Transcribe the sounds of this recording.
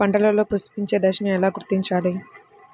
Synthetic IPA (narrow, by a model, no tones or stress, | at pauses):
ɐɳʈɐlɐloːpust̪u̥piɲt͡ʃe̞ːd̪ɐkʂɐnɐmɛlaːɡuɾt̪iɲt͡ʃaːli